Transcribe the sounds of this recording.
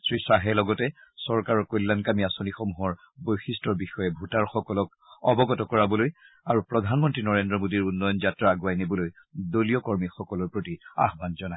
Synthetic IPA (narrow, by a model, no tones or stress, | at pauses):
sɹisaɦɛlɔɡɔtɛsɔɹkaɹɔkojlːankamiasonixomuɦɔɹ | bojxistɔɹbixɔjɛbʱutaɹxɔkɔlɔk | ɔbɔɡɔtɔkɔɹabɔloj | aɹupɹɔdʱanmɔntɹinɔɹendɹɔmodiɹunːɔjɔnzatɹaːɡwajnibɔloj | doliɔkɔɹmixɔkɔlɔɹpɹotia̰ɦbanzɔna